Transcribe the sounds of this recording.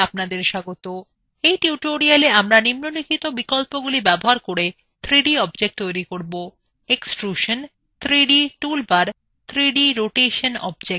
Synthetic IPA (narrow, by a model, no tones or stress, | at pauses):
ap̚nad̪eɾʃaɡot̪o | ejʈiuʈoɾialeamɾanimnonikʰit̪obikolpoɡulibɛboɦaɾkoɽe | t̪ʰɾiɖiɔbd͡ʑek̚ʈ̚t̪ojɾikoɾbo | eksʈɾuʃən | t̪ʰɾiɖiʈulbaɾ | t̪ʰɾiɖiɾoʈeʃənɔ̰b̚d͡ʑe